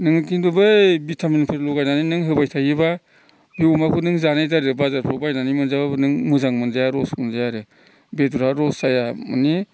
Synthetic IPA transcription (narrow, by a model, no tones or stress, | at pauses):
nɯŋkinbɯbɯbitʰaminipʰɯɾlɔɡajnaninɯŋɦɯbajtʰajiba | biumakʰunɯŋzanajtaɾɯbazaɾpʰɾɔbajnanimɯnzababɯnɯŋmɯzaŋmɯnzajaɾɔsmɯnzajaɾɯ | beduɾaɾɔsajamɯ̰ni